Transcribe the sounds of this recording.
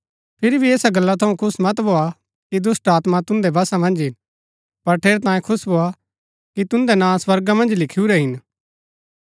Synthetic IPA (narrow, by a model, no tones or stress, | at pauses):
pʰɪɾibʱieːsaɡɐlːat̪ʰɐũkʰʊsmɐt̪bʱoa | kid̪ʊsʈaːt̪mat̪ʊ̃nd̪ɛbɐsamɐ̃nd͡ʒɦɪn | pɐɾʈʰeːɾɛt̪ãːẽkʰʊsbʱoa | kit̪ʊ̃nd̪ɛnãːswɐɾɡamɐ̃nd͡ʒlɪkʰiuɾɛɦɪn